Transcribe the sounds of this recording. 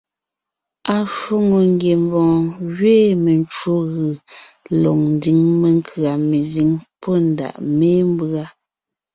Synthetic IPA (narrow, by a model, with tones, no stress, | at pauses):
a˨ʃo˦ŋo˨ŋ˦ɡje˨m˨bɔ̃ː˨ɣɥeː˦˨me˨nt͡ʃwo˦ɣɯ˨lɔ˨ŋn̩˦di˨˦ŋme˨ŋkʰɰa˨me˨zi˨˦ŋpɔ˦n̩˨da̰˨ʔmeː˦m˦bɰa˦